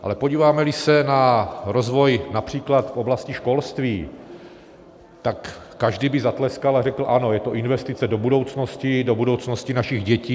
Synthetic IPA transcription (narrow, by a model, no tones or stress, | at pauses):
ʔa̰lɛpoɟiːvaːmɛlɪsɛnaɾo̞zvo̞jnapr̝̥iːklat̪foblascɪʃko̞lst̪viː | t̪akː | aʒdibɪzat̪lɛskalarɛkl̩ʔano̞jɛt̪o̞ʔɪnvɛst̪ɪt͡sɛdo̞budo̞wt͡snoscɪdo̞budo̞wt͡sno̞scinaʃɪɣɟɛciː